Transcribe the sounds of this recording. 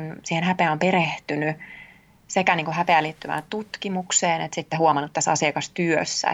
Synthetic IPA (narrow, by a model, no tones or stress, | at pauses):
nsiːhenɦæpeæompeɾeht̪yny | sekæniːŋkuhɦæpeæliːt̪ːymæ̰ːnt̪ut̪kimukseːnḛt̪sit̪ːehuomɑnːut̪t̪æsɑ̰siɑkɑst̪yø̰sːæ̰